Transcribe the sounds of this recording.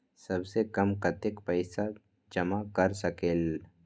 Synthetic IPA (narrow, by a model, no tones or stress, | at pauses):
sɐbsekɐmkɐt̪ɪkpəɪsa | d͡ʒɐmakəɾsəkeːl